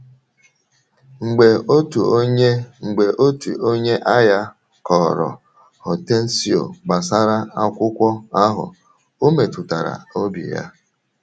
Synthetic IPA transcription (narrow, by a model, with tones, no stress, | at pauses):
ŋ͡m̩˨ɡ͡be˨o˦tu˨o˦ɲe˦ŋ͡m̩˨ɡ͡be˨ʔo˦tṵ˨o˦ɲe˦ʔa˦ja˦ | kɔ˨ɾɔ̰˨ | hɔ˨te˦n̩˦si˨o̰˨ɡ͡ba˨sa˦ɾa˦a˦kʷʊ˦kʷɔ˦a˦ɦʊ̰˨ | o˦me˨tʊ˨ta˨ɾa̰˨o˦bḭ˨ja̰˦